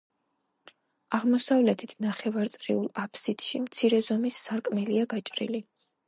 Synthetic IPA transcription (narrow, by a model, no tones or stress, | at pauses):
aʁmɔsavlɛt̪ʰit̪ʰnaχɛvaɾt̪sʼɾḭulˠapʰsid̪̥ʃimt̪sʰiɾɛzɔmisːaɾkʼmɛliaɡat͡ʃʼɾḭli